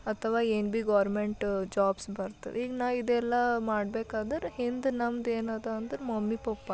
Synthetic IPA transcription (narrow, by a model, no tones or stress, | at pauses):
ɐt̪ʰɐʋaːeːnbiɡaːɾmeɳʈd͡ʒaːbsbɐɾt̪ːḭʋiːɡnaːʋid̪ɛlːɐmaːɽbeːkaːd̪ɐɾehind̪nɐmd̪eːnaːd̪ɐːnd̪ɐɾemɐmːipopːa